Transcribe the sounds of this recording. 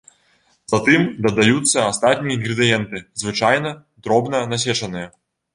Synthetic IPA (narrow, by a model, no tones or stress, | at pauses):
z̥ɐt̪ɨmd̪ɐd̪ajut̪sːɐast̪at̪ʲnʲijɐinɣɾɨd̪ɨjɛnt̪ɨzvɨt͡ʂajnɐ | d̪ɾɔbnɐnas̬ʲɛt͡ʂɐnɨjɐ